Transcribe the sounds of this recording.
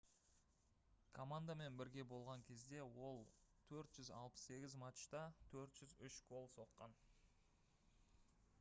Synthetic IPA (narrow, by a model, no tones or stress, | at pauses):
kʰo̞mand̪ame̞nbɪɾɡʲe̞bo̞lˠʁɑŋkʲʰe̞zd̪e̞wo̞lˠ | t̪ʰɵɾt̪ʒ̥ʏzɑ̰lˠpə̥sse̞ɡʲɪzmɑt̪ʃt̪ɑt̪ʰɵɾt̪ʒ̥ʏzʏʃkʰo̞lˠso̞qːɑn